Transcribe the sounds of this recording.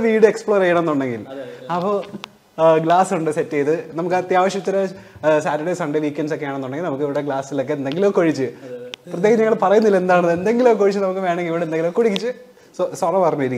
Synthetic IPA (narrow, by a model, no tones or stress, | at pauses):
ʋiːɽɨekspɭoɾejːɐɽɐ̃enːuɳɖeŋɡilɐpːoː | ɡɭlaːsuɳɖɨsetːejðɨnɐmukːɨɐt̪jaːʋɐɕjɐt͡ɕːɐɾesaːtːɐɽɐjsɐɳɖeʋiːkʲːenɖsokːejaːɳenːuɳɖeŋɡilnɐmukːɨiʋiɽeɡɭaːsilo̞kːe̞end̪eŋɡilokoɻit͡ɕːɨprɐt̪jeːɦɐmɲɐŋːɐɭpɐrɐjunːɐðilːɐe̞nd̪aːɳɐðe̞nd̪e̞ŋɡiloːkoɻit͡ɕːɨnɐmukːɨʋe̞ːɳeŋɡiʋiɽend̪eŋɡiloːkoɽikʲːit͡ɕːɨ | ssɐrɐmpɐrɐɲːuɐɾikː